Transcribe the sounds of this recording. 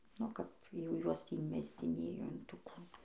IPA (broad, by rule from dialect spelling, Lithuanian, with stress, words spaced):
oː ˈkɐp jɛʊ ˈjuɔs tʲiː ɪnʲˈmʲæːzʲd͡zʲɪnʲeːjoː ɪn ˈtuː ˈkuː